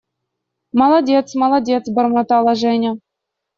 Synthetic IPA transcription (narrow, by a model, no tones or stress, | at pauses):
mɑlˠɑdʲet̪smɑlˠɑdʲet̪t͡sbɤ̆rmɤ̆t̪ɑlˠɑʐenʲɘ̆